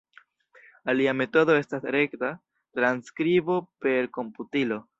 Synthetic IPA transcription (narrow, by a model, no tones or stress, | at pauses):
aliame̞to̞do̞e̞stasɾe̞kta | tɾanskɾibo̞pe̞ɾko̞mputilo̞